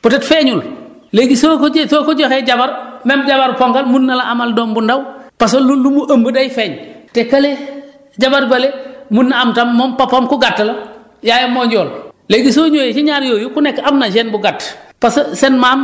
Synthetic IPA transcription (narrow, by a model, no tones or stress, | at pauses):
putɛtfeɲul | leɡisoːkosoːkoɟɔxeɟabaɾmemɟabaɾpoŋkalmunːɐlaʔamaldɔːmbundawpas̬olulːumuʔɐmbədɐjfeːɲtekɐle | ɟabaɾbɐlemunːaamtamːompapamkuɡatːɐlɐ | jajomɔːɲɟɔːlleɡisoːɲoːjet͡ʃiɲaːɾjoːjukunɛkːamnad͡ʒenbuɡatːpassɛnmaːm